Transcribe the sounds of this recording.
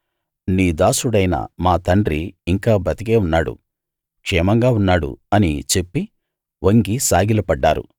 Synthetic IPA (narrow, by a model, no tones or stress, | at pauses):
niːd̪aːsuɽɐjnɐ̰maːt̪ɐɳɖɾiːŋkaːbɐt̪iɡeːunːaːɽṵ | kʂɛːmɐŋɡaːunːaːɽṵɐnḭt͡ʃe̞pːi | ʋʔɐŋɡisaːɡilɐpɐɖːaːɾṵ